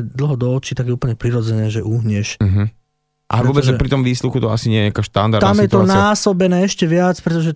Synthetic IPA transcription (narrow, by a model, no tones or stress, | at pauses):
d̪l̩ɦɔd̪ɔɔt͡ʃit̪aɡjɛupl̩ɲɛpɾiɾɔd͡zɛnɛːʒɛʔuɦɲɛʃ̩ɦ̩ | ʔa̰ɛvɾɔbɛzɛɛpɾit̪ɔmʋiːsluxut̪ɔa̰siɲɪɛjɛɲakaʃt̪and̪aɾt̪amjɛt̪ɔnaːsɔbɛnɛːɛʃcɛʋɪat͡spɾɛt̪ɔʒɛ